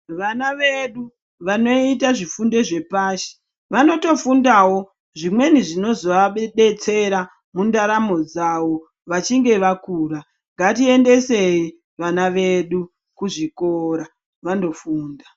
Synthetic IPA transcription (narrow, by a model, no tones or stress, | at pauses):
ʋanaʋe̞ɗu | ʋano̞it̬aʐifunde̞ʐe̞paːʃi̥ | ʋano̞to̞fundawo̞ | ʐimwe̞niʐino̞zo̞ʋaɓeɗet͡se̞ɾa | mundaɾamo̞d͡zawo̞ | ʋat͡ʃiŋɡe̞ʋakuːɾa | ŋɡatie̞nde̞se̞ji | ʋanaʋe̞ɗu | kuʐikoɾa | ʋando̞fuːnda